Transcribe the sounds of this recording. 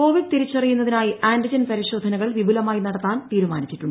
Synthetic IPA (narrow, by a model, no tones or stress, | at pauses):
ko̞ːʋiɖɨt̪iɾit͡ɕːɐrijunːɐðinaːjiʔʔaːnɖid͡ʑɐnpɐɾiɕo̞ːd̪ʱɐnɐɣɐɭʋibulɐmaːjinɐɽɐt̪ːaːnt̪iːɾumaːnit͡ɕːiʈːuɳː